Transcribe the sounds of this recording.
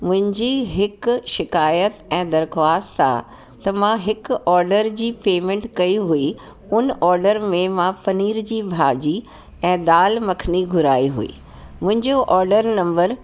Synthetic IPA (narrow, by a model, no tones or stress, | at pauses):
mʊ̃ɦɪ̃ɲd͡ʑiːɦɪkʃɪkaːjət̪ɛ̃ːd̪ɐɾxwaːst̪a̰ | t̪ɐmãɦɪkɔːɾɖəɾd͡ʑiːpeːmẽːɳʈkɐiɦui | ʊnʔɔːɾɖəɾmẽmãpɐniːɾd͡ʑiːbʱaːd͡ʑi | ɛ̃ːd̪aːlmɐkʰniɡʱʊɾaːiɦṵḭː | mʊ̃ɦɪ̃ɲd͡ʑoʔɔːɾɖəɾnɐ̃mbəɾ